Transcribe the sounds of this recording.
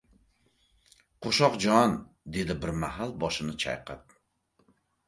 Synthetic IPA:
qʰoʃɒqd͡ʒɒnd̪e̞d̪ɪbɪɾmahalˠbɒʃɪnɪt͡ʃʰa̰jqʰɑp̪̚

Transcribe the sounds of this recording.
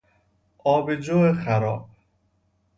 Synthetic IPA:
ʔɒːbed͡ʒoːexæɾɒ̰ːb̥̚

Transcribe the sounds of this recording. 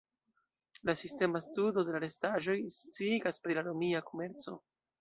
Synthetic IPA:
lasiste̞mastudo̞de̞laɾe̞staʒo̞jst͡siɡaspɾilaɾomiako̞me̞ɾt͡so̞̰

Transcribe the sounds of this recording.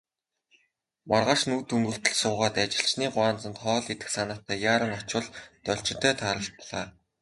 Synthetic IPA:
marʁaːʃnuːt̪ʰɵmɡɵ̆ɬt̪ɵ̆ɮsʊːʁaːt̪at͡ɕɪ̆ɬt͡ɕniːɢʊaːnt͡sə̆nt̪χɔːɮet̪ɘ̥̆ksanaːt̪æːjaːɾə̆ŋɔt͡ɕʊ̆ɮt̪œɬt͡ɕɪ̆t̪ʰœːt̪ʰaːɾə̆ɮpɔɮaː

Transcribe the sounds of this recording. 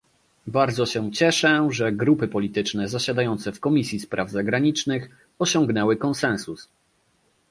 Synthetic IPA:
baɾd̪zɔɕɛt͡ɕɛʂɛʐɛɡɾupɘpɔlʲit̪ɘt͡ʂnɛzaɕad̪ajɔnt̪sɛfkɔmʲisʲjispɾʔavzaɡɾaɲit͡ʂnɘx | ɔɕɔŋɡnɛwɘkɔnsɛ̃nsus

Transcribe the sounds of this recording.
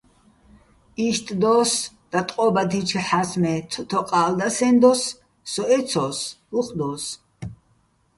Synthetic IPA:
iʃt̪ʼd̪ɔs | d̪̥at̪ʼqʼɔbat̪ʰit͡ʃʰħasmɛt̪ʰɔt̪ʰɔqʼaːld̪asɛnd̪ɔsː | ɔɛt̪sʰɔsuqʼd̪ɔːs

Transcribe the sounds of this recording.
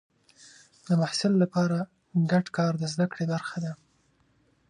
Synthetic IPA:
d̪əmahsɪlːapɑɾa | ɡaɖkɑɾd̪əzd̪akɽebaɾxad̪a

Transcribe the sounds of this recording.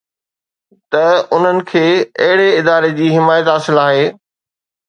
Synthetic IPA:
t̪ɐʊn̤ənɪ̆kʰeːɐ̰ɦɪɽeɪd̪aːɾed͡ʑiːɦɪmaːjət̪ɦaːsɪlaːɦeː

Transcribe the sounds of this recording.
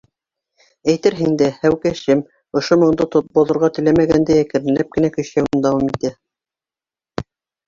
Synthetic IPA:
æjt̪ɘɾɦɘŋd̪æhæwkæʃɘm | ŏʃomŏɴd̪ot̪ot̪̚bŏðŏɾʁɑt̪ɵ̆læmæɡænd̪æjækɘ̆ɾɘ̆læp̚kɘ̆nækɵ̆ɕæwɘnd̪ɑwɑmit̪æ

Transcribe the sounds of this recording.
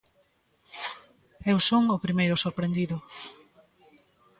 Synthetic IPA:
ewsoŋʊpɾimejɾʊsoɾpɾẽnd̪iðʊ

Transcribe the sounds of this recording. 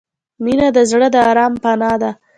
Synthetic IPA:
minad̪əzɽəd̪əɑɾɑmpanɑd̪a

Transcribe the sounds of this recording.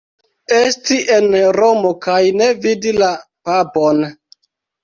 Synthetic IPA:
estiʔenɾomokajnevidilapapon

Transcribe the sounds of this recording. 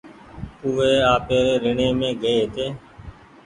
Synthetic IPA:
uːeːaːpeːɾeːɾɪɳẽːmẽːɡəeːɦt̪eː

